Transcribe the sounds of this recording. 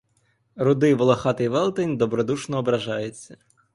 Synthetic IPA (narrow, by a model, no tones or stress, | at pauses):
ɾʊd̪ɪʋɔlˠɔxɑt̪ɪjʋɛlˠt̪enʲd̪ɔbɾɔd̪uʃnɔːbɾɐʒɑjʊt͡sʲːɐ